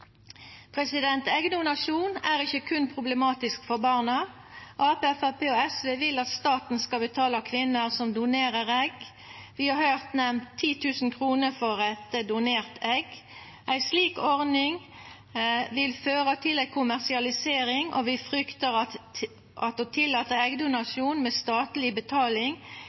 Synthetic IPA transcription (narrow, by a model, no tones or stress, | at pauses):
pʰʁɛsɪd̪ɛnt̪ɛɡd̪ʊnɑʃuːnæʁɪçːəkʰʉnpʰʁʊbləmɑːt̪ɪskfɔʁbɑːʁnə | ʔɑːpeæfæpeːoɛsʋeːʋɪlɑt̪st̪ɑːt̪n̩skɑbət̪ʰɑːləkʰʋɪnːəsɔmd̪ʊneːʁəʁɛɡ | ʋɪhɑɾhœːʁt̪nɛmt̪ʰːiːt̪ʰʉːsn̩kʰʁuːnəfɔʁɛt̪d̪ʊneːʁt̪ʰɛɡ | ʔæɪsliːkɔʁnɪŋ | ʋɪlføːʁət̪ʰɪlæɪkʰʊmæʁsɪɑlɪseːʁɪŋʔɔ̰ʋɪfʁʏkt̪əʁɑ | ʔɑt̪oːt̪ʰɪlːɑːt̪əʁɛɡd̪ʊnɑsuːnmeːst̪ɑːt̪lɪbət̪ʰɑːlɪŋ